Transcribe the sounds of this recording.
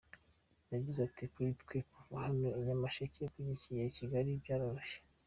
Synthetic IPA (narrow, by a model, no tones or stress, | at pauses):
naɟizatikwitkwekuvahaneiɲamaʃaceekwiɲicijeiciɡaɾibɟaːɾaɾoʃe̥